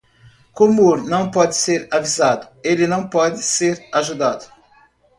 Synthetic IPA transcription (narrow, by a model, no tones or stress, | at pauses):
komoɾnɐ̃w̃pɔd̪ɪseɾavizad̪ʊelɪnɐ̃w̃pɔd̪ɪseɾaʒud̪ad̪ʊ